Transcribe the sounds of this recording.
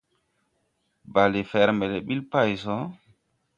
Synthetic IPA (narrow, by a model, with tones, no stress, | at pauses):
ba˨li˨fɛɾmɛ˨lɛ˨ɓi˦lpa˦jsɔ˦